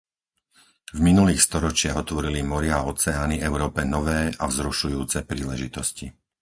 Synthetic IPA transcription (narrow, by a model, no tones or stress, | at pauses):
vminuliːxst̪ɔɾɔt͡ʃɪaɣɦɔt̪ʋɔɾilimɔɾɪaɔt͡sɛaːniɛʊɾɔːpɛnɔʋɛːʔavzɾuʃujuːt͡sɛpɾiːlɛʒit̪ɔsci